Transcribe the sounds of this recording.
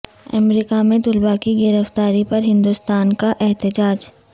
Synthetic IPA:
ɐ̰mɾiːkamẽd̪ʊlbakiɡɪɾəft̪aːɾipɐɾɦɪ̃nd̪ust̪aːnkaʔɛɦt̪əd͡ʒaːd͡ʒ

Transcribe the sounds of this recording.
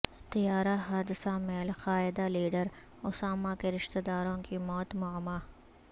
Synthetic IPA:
t̪ijaːɾaɦaːd̪ɪsameːlxaːɪd̪aliːɖəɾ | ʊsaːmakeɾɪʃt̪ed̪aːɾõkimɔːt̪mʊmaː

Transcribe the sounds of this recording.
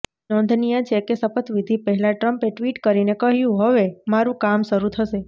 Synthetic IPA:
nɔnd̪ʱnijat͡ʃʰekesəfət̪ʋid̪ʱipəɦɛlaʈɾəmpeʈʋiʈkəɾinekəɦjũɦəʋemaɾũkamʃəɾut̪ʰəʃe

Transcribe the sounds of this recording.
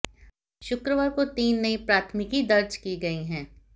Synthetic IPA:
ʃʊkɾəʋaːɾkot̪iːnːɐipɾaːt̪ʰmɪkid̪ɐɾd͡ʒkiɡɐiɦɛ̃ː

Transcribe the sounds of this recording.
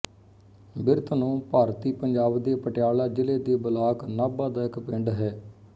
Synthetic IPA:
bɪɾt̪nũːpaːɾt̪iːpəɲd͡ʒaːbd̪eːpəʈjaːlaːd͡ʒɪleːd̪eːbəlaːknaːbãːd̪aːɪkpɪɳɖɦɛː

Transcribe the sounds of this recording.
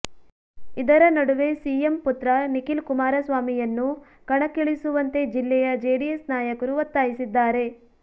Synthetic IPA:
id̪ɐɾɐnɐɽuʋe̞siːemput̪ɾɐnikilkumaːɾɐsʋaːmijɐnːu | kɐɳɐkːiɭisuʋɐnt̪e̞d͡ʒilːɛjɐd͡ʒeːɖijesnaːjɐkɐɾuʋɐt̪ːaːjisid̪ːaːɾe̞

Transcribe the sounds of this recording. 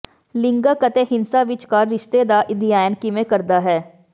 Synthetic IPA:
lɪ̃ŋɡakɐt̪eɦɪnsaʋɪt͡ʃkaɾɪʃt̪ed̪aʔɪd̪ijaːjənkimẽkɐɾd̪aɦɛː

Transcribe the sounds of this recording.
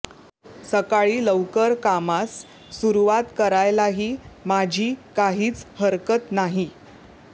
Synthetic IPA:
səkaɭiːləʋkəɾkamasː | uɾuʋat̪kəɾajlaɦiːmad͡ʑʱiːkaɦiːt͡shəɾkət̪naɦi

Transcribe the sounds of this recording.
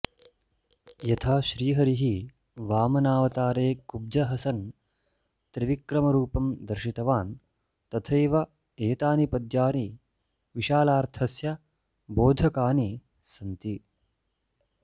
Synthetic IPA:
jɐt̪ʰaːʃɾiːɦɐɾiɦi | ʋaːmɐnaːʋɐt̪aːɾeːkub̚d͡ʒɐɦɐsɐn | t̪ɾiʋikɾɐmɐɾuːpɐmd̪ɐɾʃit̪ɐʋaːn | t̪ɐt̪ʰeːʋɐ | eːt̪aːnipɐd̪jaːni | ʋiʃaːlaːɾt̪ʰɐsjɐ | boːd̪ʱɐkaːni | sɐnt̪i

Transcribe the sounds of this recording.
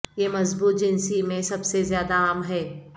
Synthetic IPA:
jeːmɐzbuːt̪̚d͡ʒɪnsimẽsɐbsezjaːd̪aaːmɦɛː

